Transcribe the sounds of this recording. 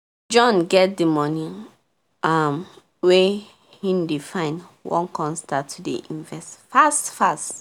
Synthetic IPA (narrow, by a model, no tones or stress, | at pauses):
d͡ʒɔ̃nɡɛt̚dəmɔnĩ | am | we | hĩndefãɪ̃nwʔɔ̰̃nkɔ̃nstatʰːudḛʔĩnvɛstfastfast